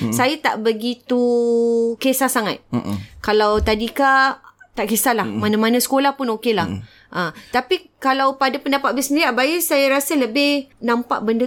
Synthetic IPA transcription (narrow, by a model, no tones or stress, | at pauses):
sajat̪a̰ʔbəɡit̪u | kesasaŋat̪̚kalawt̪adikat̪aʔkesalahmãnãmãnãsə̥kolahpʊnokela | ʔət̪apikalawpadapəndapat̪̚bəsəndiaʔbajisajaɾasaləbɪhnãmpa̰ʔbəndə